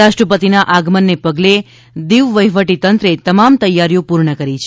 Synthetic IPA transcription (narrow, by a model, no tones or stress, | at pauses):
aʃʈɾəpət̪inaʔaɡmənːepəɡle | d̪iʋʋəjʋəʈit̪ənt̪ɾet̪əmamt̪əjːaɾjopuɾɳəkəɾit͡ʃʰe